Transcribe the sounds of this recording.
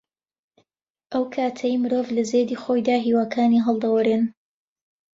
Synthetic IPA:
ʔɐwkʰaːt̪ʰɐjmɨɾoːvlɐzeːd̪iːxojd̪aːɦiːwaːkʰaːniɦɐlˠd̪ɐwɐɾen

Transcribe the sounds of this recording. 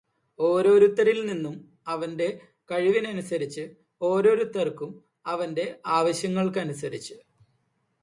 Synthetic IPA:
o̞ːɾo̞ːɾut̪ːɐɾilninːum | ɐʋɐnde̞ | kɐɻiʋinɐnusɐɾit͡ɕːɨ | o̞ːɾo̞ːɾut̪ːɐrkːum | ɐʋɐnde̞aːʋɐɕjɐŋːɐɭkɨɐnusɐɾit͡ɕːu

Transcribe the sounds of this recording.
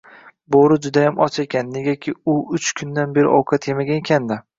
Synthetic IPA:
boɾɪd͡ʒʊd̪ajamʔɒt͡ʃʰekʲʰanːe̞ɡʲakʲʰɪʊʊt͡ʃkʰʊnd̪anbe̞ɾɪ̰ʔɒwkʰat̪ʰjemaɡʲankʲʰand̪ɪ

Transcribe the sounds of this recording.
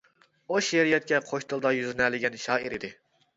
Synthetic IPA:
oʃeɾijɛt̪̚kʲɛqʰoʃt̪ʰɨlˠd̪ɑjyzɪnɛlɪɡʲɛnʃɑːiɾid̪ɪ

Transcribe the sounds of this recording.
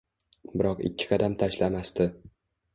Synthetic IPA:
bɪɾɒqɪ̰kʲʰːɪ̥qʰɑd̪amt̪ʰaʃlamast̪ɪ

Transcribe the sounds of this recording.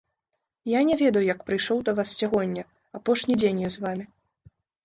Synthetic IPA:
janʲɛvʲɛd̪ɐjujɐkpɾɨjʂɔwd̪ɐvassʲaɣɔnʲːɐ | apɔʂnʲid͡zʲenʲjɛzvamʲi

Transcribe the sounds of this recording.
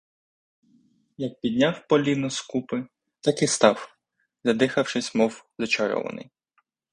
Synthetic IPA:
jɐk̚pʲid̪ʲnʲawpɔlʲinɔskupɪ | t̪ɑkɪst̪ɑw | zʲɐd̪ɪxɐwʃɪsʲmɔwzɔt͡ʃɐɾɔ̰ʋɐ̰nɪ̰j

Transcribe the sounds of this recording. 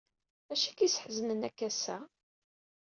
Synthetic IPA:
æʃækisħzənənækːæsæ

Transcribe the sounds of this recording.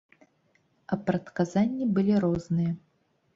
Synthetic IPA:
ɐpɾɐt̪kazanʲːibɨlʲiɾɔznɨjɐ

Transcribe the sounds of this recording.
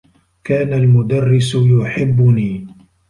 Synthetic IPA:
kaːnalmʊd̪arːɪsjʊħɪbːʊniː

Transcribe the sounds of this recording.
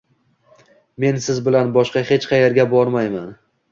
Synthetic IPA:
me̞nsɪzbɪlanbɒʃqɑhe̞t͡ʃqʰɑjeɾɡʲabɒɾmajman

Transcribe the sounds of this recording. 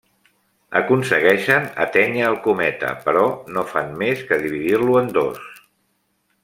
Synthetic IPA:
ə̰kunsəɣ̞ɛʃənə̰t̪ɛɲəːlˠkumɛt̪ə̰pəɾɔnofanmeskəðiβ̞iðirluənd̪os

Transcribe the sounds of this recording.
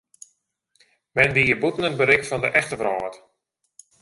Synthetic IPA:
mɛnʋiːəbutən̩əntbəɾɪkfɔndəʔɛxtəvrɔːt

